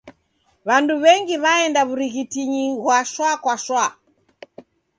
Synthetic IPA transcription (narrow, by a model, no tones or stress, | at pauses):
βanduβɛŋɡiβaɛndaβuɾiɣitiɲiɣwaʃwakwaʃwa